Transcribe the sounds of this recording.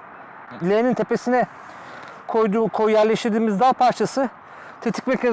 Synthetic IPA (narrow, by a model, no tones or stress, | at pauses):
lʲeːnint̪ʰe̞pe̞sinɛ | kʰojd̪ukʰojjæɾlʲeʃt̪ʰiɾd̪iːmizd̪alˠpʰaɾt͡ʃʰasɯ | t̪ʰet̪ʰi̥c̚becʰe